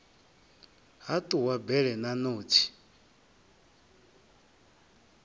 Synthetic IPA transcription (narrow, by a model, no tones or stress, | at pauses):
ɦat̪ʼuwabɛɺɛnanoːtʰi̥